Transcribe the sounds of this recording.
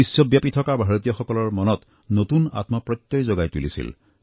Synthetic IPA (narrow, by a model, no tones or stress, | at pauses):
isjɔbjapitʰɔkabʱaɹot̪ijɔxɔkɔlɔɹmɔnɔt | notuna̰tmapɹɔt̪ːɔjzɔɡajtulḭsḭl